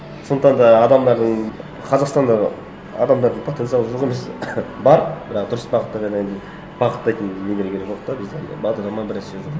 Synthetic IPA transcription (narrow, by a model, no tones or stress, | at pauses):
soəqt̪ɑnd̪ɑːd̪ɑmd̪ɑɾd̪əɴ | qʰɑzɑqst̪ɑnd̪ɑ | ɑ̰d̪ɑmd̪ɑɾd̪əɴpʰot̪ent̪sjɑlˠəʒoəʁemesbɑɾbɪɾɑqd̪ʊɾəsbɑqət̪ːɑd̪ɑd̪end̪ə | b̥ɑqət̪ːɑjt̪ənːeɡ̪ʲeɾeɡʲeɾeʒoqt̪ɑbɪzd̪bɑd̪əɾlˠɑmɑnbɪɾeseʒo